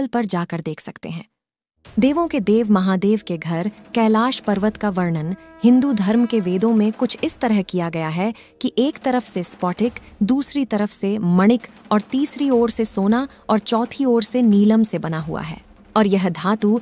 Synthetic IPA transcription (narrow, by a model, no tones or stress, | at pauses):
əlpɐɾd͡ʒaːkəɾd̪eːkʰsɐkt̪ḛɦɛ̃ː | d̪eːʋõked̪eːʋmɐɦaːd̪eːʋkeɡʱɐɾkɛːlaːʃpɐɾʋət̪kaʋɐɾɳənhɪ̃nd̪ud̪ʱɐɾmkeʋeːd̪õmẽkʊt͡ʃʰɪst̪ɐɾəɦkijaɡɐjaɦɛ | kiʔeːkt̪ɐɾəfsespɔːʈɪkd̪uːsɾit̪ɐɾəfsemɐɽ̃ɪkɔːɾt̪iːsɾioːɾsesoːna | ɔːɾt͡ʃɔːt̪ʰioːɾseniːləmsebɐnaɦua̰ɦɛ̰ː | ɔːɾjɐɦd̪ʱaːt̪u